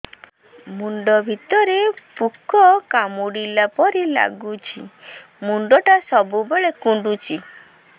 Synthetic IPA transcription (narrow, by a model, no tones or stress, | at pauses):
muɳɖɔbʱit̪ɔɾepukʰɔkamuɽilapɔɾila̰ɡut͡ʃʰi | muɳɖɔʈasɔbubeɭekuɳɖut͡ʃʰi